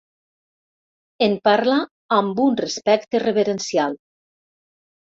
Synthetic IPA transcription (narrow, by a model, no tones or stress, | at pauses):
empaɾla | ambunrespɛkt̪ereβeɾensial